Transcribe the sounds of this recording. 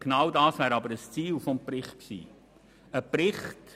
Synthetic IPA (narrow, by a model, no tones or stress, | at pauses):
ɡ̥nɑwdɑːsvæːɾɑbəɾəst͡siːlfɔmpɾɪχtksḭː | əpɾɪχt